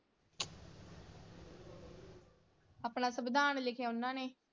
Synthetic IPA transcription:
əpɳãːsəbd̪aːnlɪkʰjaːʊnːãːneː

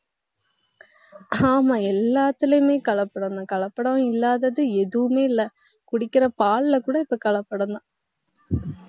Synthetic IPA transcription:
aːmaːɛlːaːt̪ːɪlɐjmeːkɐɭɐpːɐɽɐnd̪ãːkɐɭɐpːɐɽɐ̃ɪlːaːðɐðɯɛðɯʋɯmeːɪlːɐ | kʊɽɪkːɪɾɐpaːɭlɐkuːɽɐɪpːɐkɐɭɐpːɐɽɐnd̪ãː

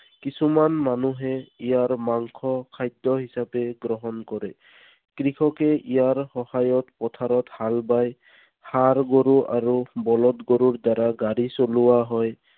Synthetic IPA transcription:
kisumanmanuɦɛijaɹmaŋkʰɔkʰajdːɔɦisapɛɡɹɔɦɔnkɔɹɛ | kɹikʰɔkɛʔijaɹhɔhajɔtpɔtʰaɾɔthalbaj | haɹɡoɹuʔaɹubɔlɔtɡoɹuɹd̪aɾaɡaɹisolʊwaɦɔj

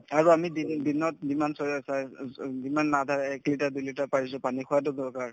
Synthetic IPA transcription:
aɹuamidindinɔt̚zimansɔsazimanːadʱaɹɛklitadujlitapaɹis̬ʊ̃panixʰʊwat̬ʊdɔɹkaɹ

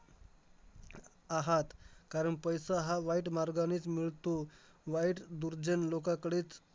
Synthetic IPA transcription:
aɦat̪kaɾəɳpəjsaɦaʋaiʈmaɾɡañiːt͡smiɭt̪o | ʋaiʈd̪uɾd͡ʑənlokakɽeːt͡s

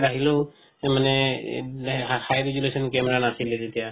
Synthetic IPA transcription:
aɦilo | manɛ | hajɹid͡ʒulesɔnkɛmɛɹanasilɛtet̪ija

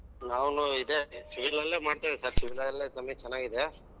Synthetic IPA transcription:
naːʋnuid̪esiʋiɾlɐlːeːmaːɖt̪eʋesaːɾsiʋiɾɐɐlːet̪ɐmːet͡ʃɛnːaːɡid̪e

